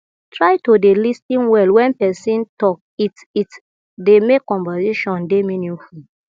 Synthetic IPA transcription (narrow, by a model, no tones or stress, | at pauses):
tɹaɪtodelistĩnwɛlwɛ̃npɛsĩntɔk̚ | it | it | demekːɔ̃ɱvasiʃɔ̃ndemĩnĩnful